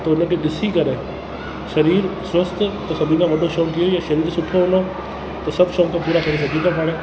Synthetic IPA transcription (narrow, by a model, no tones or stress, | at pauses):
t̪ɐʊnəkeɗɪsikɐɾeː | ʃɐɾiːɾswɐst̪t̪ɐsɐbʱĩkʰãːʋɐɖʱoʃoːʈijojaʃɐɾiːɾsʊʈʰoɦʊ̃no | t̪ɐsɐbʱʃɔːkʰãpuːɾakɐɾes̬ɐɡʱĩk̪ãpaːɽ̃ẽː